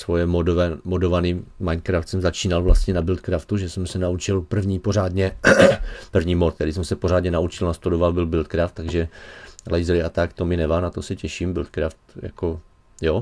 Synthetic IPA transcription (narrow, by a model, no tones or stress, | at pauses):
svojɛmodomodovaniːmajnkɾaft̪sɛmzat͡ʃiːnalvlast̪ɲɛnabɪlt̪kɾaft̪uʒɛsɛmsɛnaut͡ʃɪlpr̩vɲiːpoɾaːd̪ɲɛ | pr̩vɲiːmot̪̚t̪ɛɾɪsɛmsɛpoɾ̝aːdɲɛnaut͡ʃɪlnast̪udovabɪlbɪlt̪̚kɾaft̪ːaɡʒɛlɛjzɾɪat̪akt̪omɪnɛvanat̪o̞sɛcɛʃiːmbɪlt̪kɾaft̪ja̰ko | jo